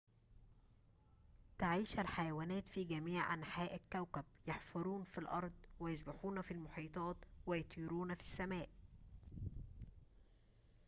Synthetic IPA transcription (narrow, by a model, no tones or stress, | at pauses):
t̪aʕiːʃælħajæwæːnæːt̪fiɡæmiːʕʕa̰nħaːʔækːæwkæb̚jɑħfɑɾˤuːnfilʔɑ̰ɾˤd̪ˤwɪjɑzbaħuːnæfilmoħiːt̪ˤɑːt̪wɪjɑt̪ˤʰiːɾuːnfi̥sːæmæːʔ